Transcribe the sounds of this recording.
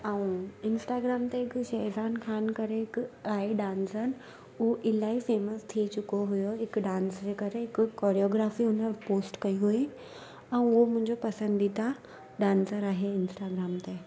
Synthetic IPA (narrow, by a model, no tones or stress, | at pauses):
aũɪnsʈaːɡɾaːmt̪eɪkʃɐɦzaːnkʰaːnkɐɾeɪkaːɦeɖãːnsən | ʊɦoʔɪlaːifeːməst̪ʰit͡ɕʊkoɦʊjoɦɪkɖãːnsd͡ʑekɐɾeɪkkːɔːɾioːɡɾaːfiʊnəɾpoːsʈkɐiɦui | ɛ̃ũʊɦomʊ̃ɦɪ̃ɲd͡ʑopɐsə̃nd̪it̪a | ɖãːnsəɾaːɦeɪnsʈaːɡɾaːmt̪e